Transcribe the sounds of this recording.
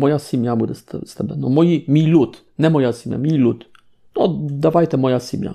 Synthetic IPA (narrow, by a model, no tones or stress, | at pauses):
mojasimjabud̪ɛst̪st̪abɛnomojimilut̪ | nɛmojasimja̰milut̪ | nod̪aʋajt̪ɛmojasimja̰